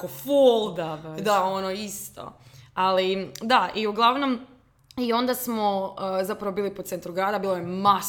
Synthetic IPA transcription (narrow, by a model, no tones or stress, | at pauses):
kofolˠd̪aʋd̪aonoist̪o̰alid̪aʔiuɡlˠaʋno̞m | io̞nd̪asmozapɾaʋobiːlipot̪sent̪ɾuɡɾaːd̪abiːlˠojemas